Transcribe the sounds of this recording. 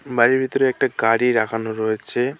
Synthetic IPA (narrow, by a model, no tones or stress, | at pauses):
baɾiɾbʱit̪oɾeɛk̚ʈaɡaɽiɾakʰanoɾoet͡ɕʰe